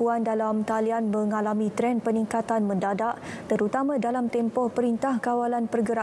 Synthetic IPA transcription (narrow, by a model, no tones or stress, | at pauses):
uandalamt̪alianmə̃ŋalamĩt̪ɾɛnpəniŋkat̪anmə̃ndadaʔt̪əɾut̪amãdalamt̪ɛmpɔhpəɾint̪ahkawalanpərɡəɾa